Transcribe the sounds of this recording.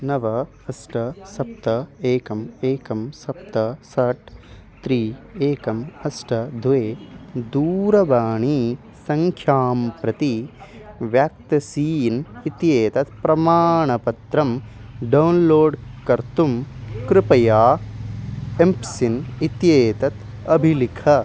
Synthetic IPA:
nɐʋɐ | ɐsʈɐsɐp̚t̪ɐeːkɐmeːkɐmsɐp̚t̪ɐsɐʈ | t̪ɾiːeːkɐmɐsʈɐd̪ʱueːd̪uːɾɐbaːɳiː | sɐŋkʰjaːmpɾɐt̪i | ʋjaːk̚t̪ɐsiːnit̪jeːt̪ɐt̪̚pɾɐmaːɳɐpɐt̪ɾɐmɖɐwnloːɖkɐɾt̪umkɾɪpɐjaː | empsinit̪jeːt̪ɐt̪ | ɐbʱilikʰɐ

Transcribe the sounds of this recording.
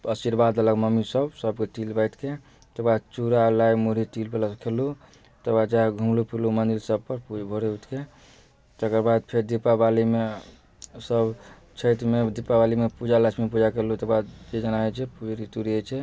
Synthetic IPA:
əsiɾbad̪ələɡməmisəbsəbkeʈilbəjt̪ʰke | t̪əkɾbad̪̚t͡ʃuɾalajmuɾiʈilpelaskʰelu | t̪əbad̪̚d͡ʒaɦeɡʱumlupʰilumənd̪ilsəb̚pəɾpubʱoɾeut̪ʰke | t̪əkəɾbad̪̚pʰeɾd̪ipːabalime | səb | t͡ʃʰət̪med̪ipːabalimepud͡ʒalət͡ʃʰmipud͡ʒakelut̪əɾbad̪d͡ʒed͡ʒənaet͡ʃʰɛpuɾit̪uɾiət͡ʃʰɛ

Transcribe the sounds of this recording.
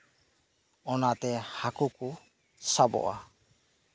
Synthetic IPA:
ɔnat̪ɛhakuku | sabɔ̰ʔa

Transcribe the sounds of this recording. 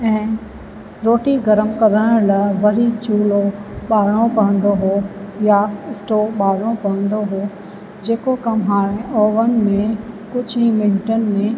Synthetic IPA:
ɛ̃ː | ɾoːʈiɡɐɾəmkɐd̪ʱəɽ̃lɐʋɐɾit͡ɕuːloɓaːɽ̃õpɐɦə̃nd̪oɦoːjaɪsʈoɓaːɽ̃õpɐɦə̃nd̪oɦoː | d͡ʑeːkokɐmɦaːɽ̃eʔoːʋənɪ̆mẽkʊd͡ʑʱimɪ̃ɳʈənɪ̆mẽ

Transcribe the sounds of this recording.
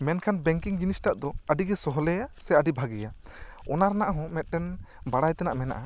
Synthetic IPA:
mɛnkʰanbɛŋkiŋd͡ʒinisʈaʔd̪ɔəɖiɡɛsɔɦɔlɛjasɛaɖibʱaɡɛja | ɔnaɾnaʔɦɔ̃mɛt̪̚ˀʈɛnbaɽajt̪ɛnaʔmɛna̰ʔa

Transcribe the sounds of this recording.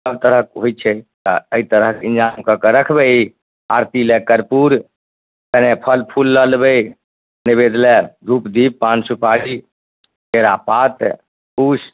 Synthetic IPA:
əbt̪əɾəkɦojt͡ʃʰɛt̪əəit̪əɾəɦkĩnd͡ʒamkəkəɾəkʰbɛi | a̰ɾt̪ilekəɾpuɾ | t̪ənepʰəlpʰulːəlbɛi | nibed̪lɛɾʱupd̪ip̚ːansupaɽi | keɾapat̪ | pus

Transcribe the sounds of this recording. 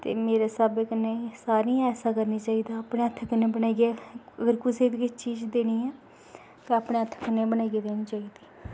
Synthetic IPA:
t̪ḛːmeːɾeːsabekəneːsaːɾĩːɛːsaːkəɾniːt͡ʃaːiːd̪aːaːpneːət̪ʰːkənẽːbənaːiɡɛːəɡəɾkʊseːd̪kɪt͡ʃiːd͡ʒd̪eːniːɛː | kɪaːpɽeːət̪ʰːkənebənaːiɡeːd̪eːñiːt͡ʃaːiːd̪iː

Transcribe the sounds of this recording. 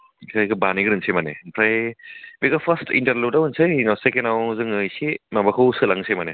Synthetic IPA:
kʰajɡɐbaniɡɾɯnsemanḛpʰɾajbikɐpʰɐstʰḭntɐɾludawɯnsɯjnasekenawzɯŋɯjsimabakʰɐwsɯlaŋsemɐne

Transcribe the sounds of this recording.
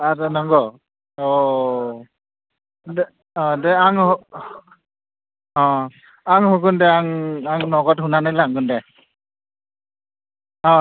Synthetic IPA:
adɔnɔŋɡɔ | ɔ | d | ɔ̃dɛaŋhɔ | ɔ̃ | aŋɦɔɡundɛaŋaŋnɔɡɔtɦunanajlaŋɡundɛ | ɔ̃

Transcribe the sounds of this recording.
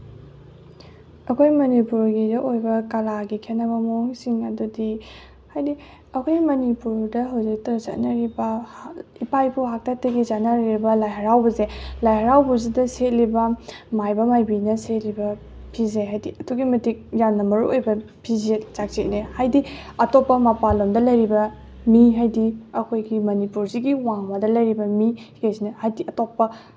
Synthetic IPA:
ɐkʰojmɐnipuɾɡidɐʔojbɐkɐlaɡikʰetnɐβɐmooŋsiŋɐdudi | hajdi | ɐkʰojmɐnipuɾdɐɦɐwzik̚tɐza̰tnɐɾibɐhipajpuɦak̚tak̚tɐɡizatnaɾiɾibɐlajɦɐɾawbɐzelajhɐɾawbuzidɐset̚libɐmajbɐmajbinɐsetlibɐ | pʰizeɦajdiɐduɡimɐtik̚jamnɐmɐɾuʔojbɐ | pʰizet͡ʃak̚t͡ʃetnehajdiɐtopːɐmɐpalomdɐlɐjɾibɐ | miɦajdiɐkʰojɡimɐnipuɾziɡiwaŋmɐdɐlɐjɾibɐmikesinɐhajdiʔɐtopːɐ

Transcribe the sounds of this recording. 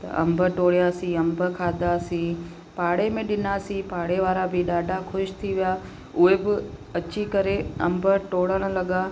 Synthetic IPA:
t̪ɐ̰ʔɐ̰̃mbʱəʈoːɽijasĩɐmbʱəkʰaːd̪asĩ | paːɽemẽɗɪnasĩpaːɽeʋaːɾabʱɪɗaːɖʱaxʰʊʃt̪ʰiʋija | ʊɦebɪɐt͡ɕikɐɾeɐ̃mbʱəʈoːɽəɽ̃ə̆lɐɠa

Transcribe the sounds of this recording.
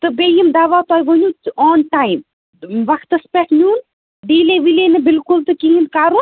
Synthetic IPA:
t̪ɨbejimd̪aːʋaːt̪ɔːjʋonʲuɔːnʈaːjm | ʋɐkʰt̪ɨspeʈnʲuːn | ɖiːleʋilenɨbɪlkult̪ɨkiind̪kaːɾu

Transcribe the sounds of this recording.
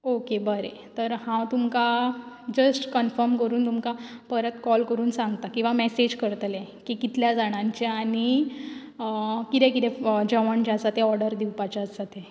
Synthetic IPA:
okebəɾet̪əɾhãwt̪umkad͡ʑəsʈkənfəɾmkəɾuːnt̪umkapəɾət̪kɔlkəɾuːnsãŋɡt̪akĩw̃ʋamɛsed͡ʑkəɾt̪lekikit̪ljad͡zaɽ̃ãɲt͡ɕeaɽ̃i | kit̪ẽkit̪ɛd͡ʑəʋəɳt͡ɕasat̪ẽɔɾɽəɾd̪iwpat͡ɕasat̪e

